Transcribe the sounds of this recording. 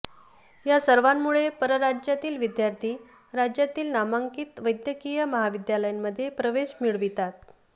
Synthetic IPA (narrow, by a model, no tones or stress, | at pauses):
jasəɾʋamːuɭepəɾəɾad͡ʑjat̪iːlʋid̪jaɾt̪ʰiː | ɾad͡ʑjat̪iːlnamaŋkiːt̪ʋəjd̪jəkijəməɦaʋid̪jaləjamːəd̪ʱːjepɾəʋeɕmiɭʋit̪at̪̚